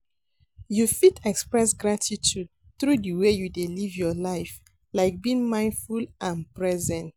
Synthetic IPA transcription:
jufitɛkspɹɛs̬ɡɹatʰitʰud̚ | θɹudəwejudelivjɔlaɪf | laɪk̚bĩŋmãɪ̃ndfulʔãnpɹɛzɛ̃nt

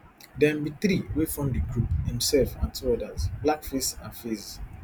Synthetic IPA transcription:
dɛ̃nbiθɾiwefɔ̃mdiɡɹuphĩmsɛlfãntʰuɔdazblakfestãnfes

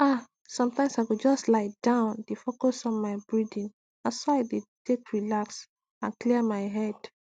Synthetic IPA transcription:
a | sɔ̃mtãɪ̃msaɪɡod͡ʒɔstlaɪd̥ãʊ̃ndefokosɔ̃nmaɪbɹidĩn | asɔaɪdetekɹilaks | ãnkliəmaɪɦɛd̥

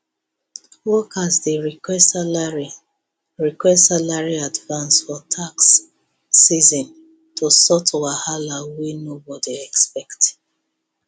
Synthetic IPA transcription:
wɔkʰazdeɹikɛstalaɹi | ɹikwɛstsalaɹiadvãnsfɔtʰaksː | izɔ̃n | tʰosɔtʰwahalawinobɔdiɛkspɛkt

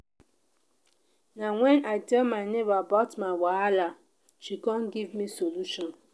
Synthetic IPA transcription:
naŋʷɛnʔaɪdɛmaɪnevabɔtmãnwaala | t͡ʃikɔn̩ɡivmisoluʃɔn

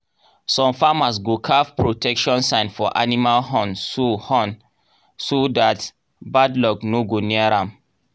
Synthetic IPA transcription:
sɔ̃mfamas̬ɡokʰavpɹotʰɛkʃɔ̃nsãɪ̃nfɔʔanimalɦɔ̃nsohɔ̃n | sodat | badlɔknoɡoniaɹãm

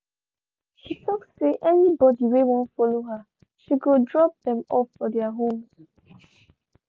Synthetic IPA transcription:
ʃitʰɔksseʔɛnibɔdiwewɔ̃ntfɔloɦa | ʃiɡodɹɔp̚ðɛ̃mɔfːɔdɛaɦõmz̥

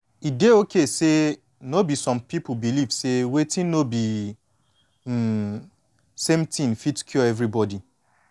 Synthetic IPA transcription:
ideokese | nobisɔ̃mpip̩bilivsewetĩnnobi | sẽmtĩnfitkʰjɔɛvɾibɔdi

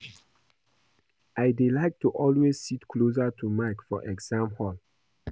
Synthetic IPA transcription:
aɪdelaɪk̚tuʔɔlwessitkʰlos̬atʰumaɪkfɔʔɛɡzãmhɔl

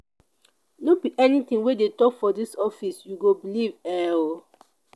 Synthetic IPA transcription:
nobiʔɛnitĩŋwedetɔkfɔdisɔfisjuɡobilivɛ

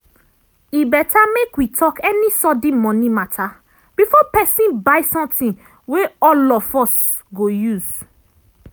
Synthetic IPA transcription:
ibɛtʰamekwitʰɔkɛnisɔdĩmɔ̃nĩmatʰa | b̥ifɔpɛsĩnbaɪsɔ̃mtĩn | weɔlɔfɔs | ɡojuz

